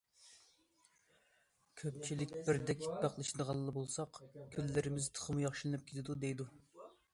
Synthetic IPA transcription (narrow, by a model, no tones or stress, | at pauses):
kʲʰøpt͡ʃʰilɪkʲbɪɾd̪ɛkʲʰi̥t̪̚bɑqlˠɨʃid̪əʁɑlˠːɑbolˠsɑqkʲʰylːɪɾɪmɪzt̪ʰə̥χəmujɑχʃilˠɨnɨp̚kʲʰet̪ʰɪd̪ud̪ejd̪u